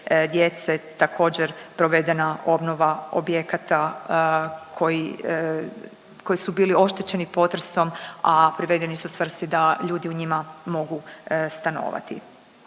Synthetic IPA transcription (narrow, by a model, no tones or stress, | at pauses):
d̪je̞t̪set̪akʰo̞ːd͡ʑeɾpɾo̞ʋe̞d̪e̞naʔo̞bno̞ʋao̰bjekat̪a | kʰoji | ko̞jisubiːlio̞ʃt̪et͡ɕe̞nipo̞t̪ɾeso̞mapɾiʋe̞d̪enisusʋr̩st̪id̪aʎuːd̪iuɲimamo̞ɡust̪ano̞̰ːʋa̰t̪ḭ